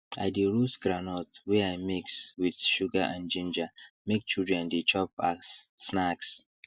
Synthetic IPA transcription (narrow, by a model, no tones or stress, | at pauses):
a̰ɪdiɹusɡ̥ɹanɔtwɛajmikswiθʃuɡaʔã̰nd͡ʒĩnd͡ʒamek̚t͡ʃildɹɛ̃ndet͡ʃɔpasːnaks